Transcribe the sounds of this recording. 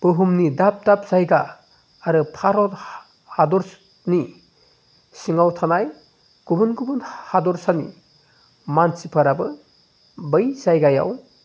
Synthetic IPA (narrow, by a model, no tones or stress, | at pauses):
b̥ɯɦumnidap̚d̥ap̚z̥ajɡaː | ɾɯpʰaɾɔt | hadɔɾ | ni | siŋawtʰanaj | ɡ̥ubɯnɡubɯnhadɔɾsanḭ | mansipʰaɾabɯ | bɯjzajɡaja̰w